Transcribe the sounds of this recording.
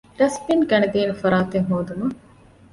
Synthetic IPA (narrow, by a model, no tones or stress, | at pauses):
ɾɐspinɡɐned̪iːnefɐɾaːt̪eŋɦoːd̪umɐ